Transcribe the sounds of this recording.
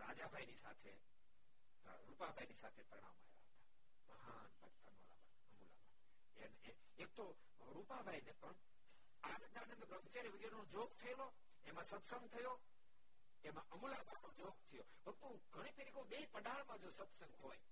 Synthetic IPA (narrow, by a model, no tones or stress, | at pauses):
ɾa̰d͡ʒabʱajnisa̰t̪ʰe | ɾupabʱajnisa̰t̪ʰepɾəɽ̃a̰ma̰ja̰ɦət̪ḁ | məɦanbəkt̪ə̰mo̰la̰bʱa̰ | əmula̰bʱai | ene | ek̚t̪o | ɾupabʱajnepəɳ | anəd̪aneənd̪ɾəmt͡ʃeɾiʋəɡeɾnõd͡ʒoɡ̚t̪ʰəelo | emãsət̪səŋɡt̪ʰəjo | emãʔəmulabʱainod͡ʒoɡ̚t̪ʰəjo | ʋəɡ̚t̪ũ | ɡʱəɽ̃ipeɾikoɓeipəɗaɭmãd͡ʒosət̪səŋɡɦoj